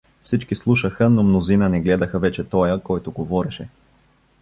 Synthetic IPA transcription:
fsit͡ʃkislˠuʃəxənomnozinənɛɡlɛd̪əxəvɛt͡ʃɛt̪ɔjəkɔjt̪oɡovɔɾɛʃɛ

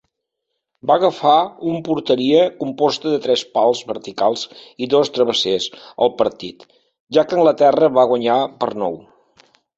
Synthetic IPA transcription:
baɣəfaumpuɾt̪əɾiəkumpɔst̪əðət̪ɾɛspalˠzβəɾt̪ikalˠziðost̪ɾəβəsesə̰lˠpəɾt̪it̪ | ʒakəŋɡlət̪ɛrəβaɣwəɲapəɾnɔ̰w

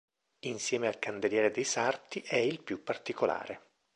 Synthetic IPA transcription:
insjɛːmealkand̪eljɛːɾed̪ejsart̪iʔɛilpjupːart̪ikola̰ːɾe

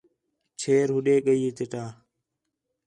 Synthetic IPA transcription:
t͡ʃʰeːɾɦʊɗeːɠəiːt̪eʈaː

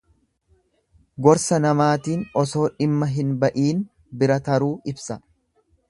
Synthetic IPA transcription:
ɡɔɾsɐnɐmaːt̪iːnɔso̞ːᶑɪmːɐɦɪnbɐʔiːn | bɪɾɐt̪ɐɾuːɪbsɐ

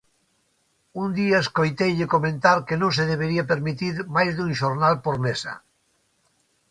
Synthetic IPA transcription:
und̪iaeskojt̪ejʎɪkomẽnt̪aɾkenõŋs̬eðeβeɾiapeɾmit̪iɾmajzðũŋʃoɾnalpoɾmesɐ̰

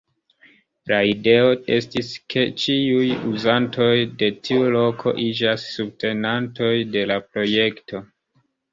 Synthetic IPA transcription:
laide̞o̞estiskʰe̞t͡ʃiujuzanto̞jde̞tʰiulo̞kʰo̞̰ʔid͡ʒasːub̚te̞nanto̞jde̞lapɾo̞je̞kto̞

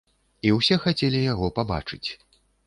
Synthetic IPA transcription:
iwsʲɛxat͡sʲelʲijaɣɔpaba̰t͡ʂɨt͡sʲ

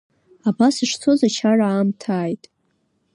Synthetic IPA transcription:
abasɨʂt͡sʰo̞zat͡ʃʰaraːmtʰaːjtʼ

